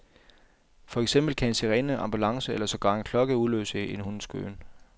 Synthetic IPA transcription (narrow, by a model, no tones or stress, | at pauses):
fɒ̽eɡ̥sem̰b̥l̩kʰæe̝nseʁɛːnəʔɑ̈mb̥ulɑ̈ŋsəelɐsɒ̽ɡ̥ɶːe̝nkʰlɒ̽ɡ̥əuðˠlø̰ːseenhunsɡ̥ø̰ːn